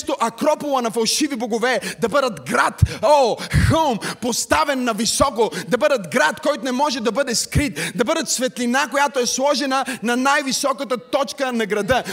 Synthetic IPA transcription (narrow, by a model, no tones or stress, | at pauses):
st̪oʔɐkɾɔpolˠɐnɐfɐlˠʃiviboɡovɛd̪ɐbəd̪ɐt̪ɡɾat̪oxəlˠmpost̪avɛnːɐvisɔkod̪ɐbəd̪ɐt̪ɡɾat̪kɔjt̪onɛmɔʒɛd̪ɐbəd̪ɛskɾit̪̚d̪ɐbɤd̪ɐt̪svɛt̪linakojat̪oɛslˠɔʒɛnənɐnajvisɔkət̪ət̪ɔt͡ʃkənɐɡɾɐd̪ə